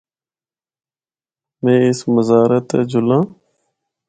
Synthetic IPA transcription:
mẽːɪsməzaːɾət̪ḛːd͡ʒʊlãː

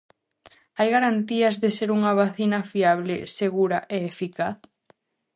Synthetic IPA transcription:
ajɣaɾant̪iɐzðeseɾuŋɐβaθinɐfiaβ̞lɪseɣuɾɐʔeːfikaθ

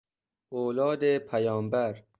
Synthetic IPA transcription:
oːlɒːd̪epʰæjɒːmbæɾ

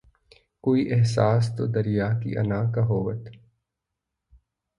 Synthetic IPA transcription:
koːiʔɛɦsaːs̬t̪od̪ɐɾijaːkḭʔɐ̰naːkaɦoːʋə̰t̪

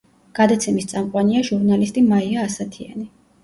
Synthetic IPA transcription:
ɡ̥ad̪at̪sʰɛmist̪sʼamqʼwaniaʒuɾnalist̪ʼimaiaːsat̪ʰia̰ni

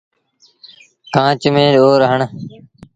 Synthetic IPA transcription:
kãːt͡ʃmẽːɗoːɾɦəɳ

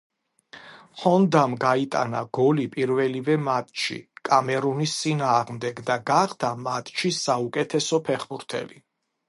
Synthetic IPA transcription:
χɔnd̪amɡait̪ʼa̰na̰ɡɔlipʼiɾvɛlivɛmat̪ʼʃḭkʼamɛɾunist̪sʼinaːʁmd̪ɛɡd̪aɡaχd̪ʰamat̪ʼʃisaukʼɛt̪ʰɛsɔpʰɛχbuɾt̪ʰɛ̰li

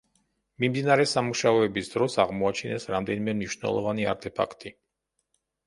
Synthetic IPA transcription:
mimd̪inaɾɛsamuʃaɔɛbisd̪ɾɔsaʁmɔat͡ʃʰinɛsɾamd̪ɛnimɛmniʃnɛ̰lˠɔ̰vania̰ɾt̪ʰɛpʰa̰kʰt̪ʰʼi

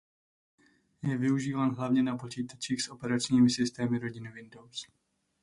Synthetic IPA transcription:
jɛvɪuʒiːvaːnɦlavɲɛnapo̞t͡ʃiːt̪at͡ʃiːxsʔo̞pɛɾat͡ʃɲiːmɪsɪst̪ɛːmɪɾo̞ɟɪnɪvɪndo̞ws

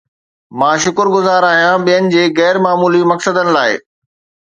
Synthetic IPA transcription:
mãːʃʊkəɾɡʊzaːɾaːɦijãɓijənɪ̆d͡ʑeːɣɛːɾmaːmuːlimɐksəd̪ənɪ̆laːɪ

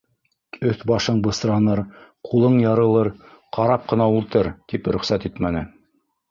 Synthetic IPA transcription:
ɵθbɑʃɤɴbɤ̆sɾɑnɤɾqʰulˠɤɴjɑɾɤ̆lˠɤɾ | qʰɑɾɑp̚qɤ̆nɑulˠt̪ɤɾt̪ipɾɵ̆χsæt̪it̪mænɘ

